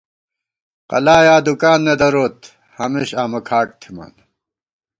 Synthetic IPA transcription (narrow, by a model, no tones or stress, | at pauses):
qɐ̰laːjaːd̪ukaːnːed̪ɐɾoːt̪ | hɐmeɕaːmɐkʰaːʈ̚t̪ʰima̰n